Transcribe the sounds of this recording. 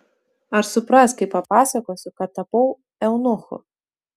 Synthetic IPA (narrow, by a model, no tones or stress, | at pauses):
ɐɾsʊpɾasʲkʲɐpɐpasʲɐkɔsʲʊkɐt̪ɐpɔw | ɛwnɔxʊ̰